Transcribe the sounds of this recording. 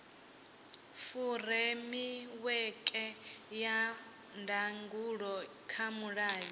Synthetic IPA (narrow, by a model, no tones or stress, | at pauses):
furɛmiwɛkʼɛja | ndaŋɡuɺɔ | kʰamuɺaːjɔ